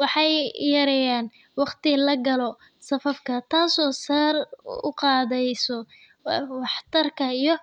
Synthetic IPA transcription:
wɑħɑjjɐɾɛjaːn | wɑqt̪ʰɪlɐɡɐlɔ | sɐfɐfkʰɐt̪ʰaːsɔːsaːrʊ̰qɑːðɛjsɔ | wɑħt̪ʰɐrkʰɐijɔ

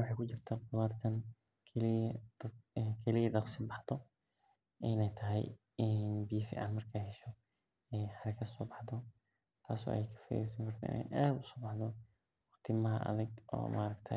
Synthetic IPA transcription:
wʊħɑːjkʊt͡ʃɪrt̪ʰɐqʊlaːd̪kʰɐn | kʰɛl | kʰɛlɪjɐdɑqsɪbɑħd̪ɔ | ʔɪnɛjt̪ʰɐɦɛ̰j | ɪnbiːfḭːʕɑ̰nmɐrkʰaːhɛʃɔ | ɛjħɑɾɐkʰɐd̪sɔːbɑħd̪ɔ | t̪ʰaːsɔ̰ːʔɐ̰jjkʰɐ̥fɐ̰esɐŋkʰɔrt̪ʰɐ̰ʔɪ̰nɛ̰jʔad̪ʊsɔːbɑħd̪ɔ | wɑqt̪ʰɪmɐɦɐ̰ʔɐ̰ðɪɡʔɔ̰ːma̰ːɾɐkt̪ʰɐ

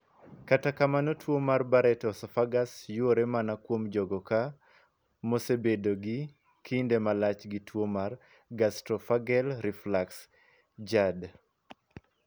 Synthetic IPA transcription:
katakamanotwomarbaɾɛtɔsɔfaɡasjoɾemanakwomd͡ʒɔɡɔka | mosebedoɡi | kindemalat͡ʃɡitwomar | ɡastɾɔfaɡɛlɾiflaks | d͡ʒad

